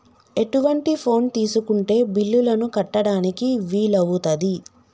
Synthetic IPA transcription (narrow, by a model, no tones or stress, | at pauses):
e̞ʈuʋɐɳʈipʰo̞ːnt̪iːsukuɳʈe̞ːbilːulɐnukɐʈːɐɽaːnikiʋiːlɐʋut̪ɐd̪i